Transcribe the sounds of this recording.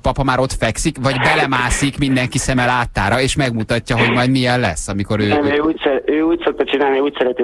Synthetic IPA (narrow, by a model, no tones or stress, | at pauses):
pɒpɒmaːɾo̞t̪fɛksikʋɒɟbɛlɛmaːsikmind̪ɛŋkisɛmɛlaːt̪ːaːɾɒeːʃmɛɡmut̪ɒcːɒɦo̞ɟmɒjd̪miɛllːɛsːɒmiko̞ɾøːɛøːuːsɛøːuːcso̞k̚t̪ɒt͡ʃinaːlniuːcsɛɾɛt̪i